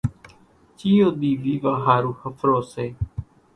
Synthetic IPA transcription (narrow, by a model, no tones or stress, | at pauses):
t͡ʃiːoːd̪iːʋiːʋaːɦaːɾuːhəfʰɾoːseː